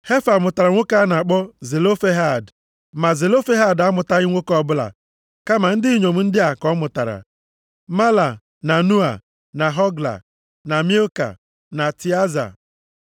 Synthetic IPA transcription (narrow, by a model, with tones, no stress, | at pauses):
he˦fa˨mʊ˨ta˨ɾa˨ŋʷo˦ka˦na˨k͡pɔ˦ze˨lo˦fe˦ɦa˦˨d | ma˨ze˨lo˦fe˦ɦa˦˨da˦mʊ˨ta˦ɣɪ˦ŋʷo˦kɔ˦˨bʊ˦la̰˨ | ka˦ma˨n̩˦dɪ˦i˦ɲo˨m̩˦n̩˦dɪ˦a˨kɔ˦mʊ˨ta˨ɾa̰˨ | ma˦la˨ | na˨nu˦a̰˨ | na˨ɦɔ˦ɡla̰˨ | na˨mi˦o˦ka̰˨ | na˨ti˨a˦za̰˨